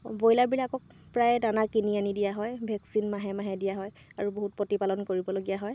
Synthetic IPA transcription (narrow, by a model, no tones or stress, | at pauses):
bojlabilakɔk̚ | pɹajdanakinianidijaɦɔjbʱɛksinmaɦɛmaɦɛdijaɦɔj | aɹuboɦut̚potipalɔnkoɹibɔloɡijaɦɔj